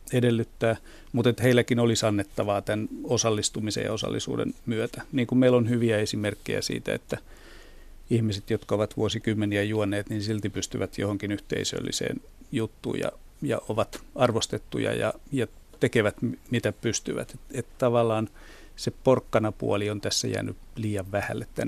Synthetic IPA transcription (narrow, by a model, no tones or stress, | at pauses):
edelːyt̪ːæː | mut̪et̪heilːˑækinolisɑnːet̪ːɑʋɑːt̪ænosɑlːist̪umisḛjɑ̰osɑ̰lːḭsṵːdḛnmyøt̪æniːŋkummeilonhyʋiæesimerkːḛjæ̰sḭːt̪æ̰ḛt̪ːæ | ihmiset̪jot̪kɑoʋɑt̪ʋuosikymːeniæjuɑnːeːt̪ninsilt̪ipyst̪yʋæt̪jo̰hoŋkinyht̪ḛisø̰lːḭsḛːn | jut̪ːṵːjɑ̰ | jɑ̰oʋɑt̪ɑrʋost̪et̪ːṵjɑ̰jɑ̰jɑ | t̪ekeʋæt̪mmit̪æpyst̪yʋæ̰t̪et̪et̪t̪ɑʋɑlːˑɑːn | seporkːɑnɑpṵoliont̪æsːæ̰jæ̰ːny̰liːjɑʋʋæhælːet̪t̪ːæn